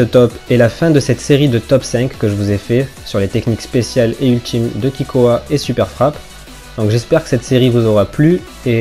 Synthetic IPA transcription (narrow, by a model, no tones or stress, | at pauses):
ət̪ɔpɛlafɛ̃d̪əsɛt̪seʁid̪ət̪ɔpsɛ̃kːəʒəvuzɛfɛsyʁlet̪ɛknikspesjaleylt̪ʰimd̪əkʲikoaesypɛʁfχap | d̪ɔ̃kʒɛspɛʁkə̥sɛt̪seʁivuzɔʁaply | e